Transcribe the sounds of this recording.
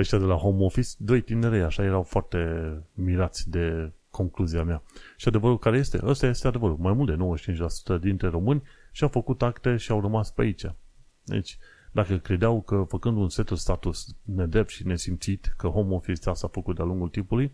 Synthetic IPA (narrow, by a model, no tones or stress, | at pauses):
eʃt̪ʲad̪e̞laho̞mo̞fisd̪o̞jt̪ineɾejaʃaje̞ɾawfoart̪e̞miɾat̪sʲd̪e̞kʰo̞ŋkluziameaʃiad̪e̞vəɾulkaɾe̞je̞st̪e̞̰ʔəst̪aje̞st̪ead̪e̞vəɾulmajmult̪d̪e̞nowəʃi̥t͡ʃint͡ʃʲlasu̥t̪əd̪int̪ɾe̞ɾo̞mɨnʲʃiawfəkut̪akt̪e̞ʃiawrəmaspeait͡ʃa | d̪ḛt͡ʃʲ | d̪akəkɾe̞d̪eawkəfəkɨnd̪unse̞t̪ulst̪at̪usne̞d̪ɾep̚t̪ʃine̞simt̪sit̪kəho̞mo̞fist̪asafəkut̪̚d̪ealuŋɡult̪impuluj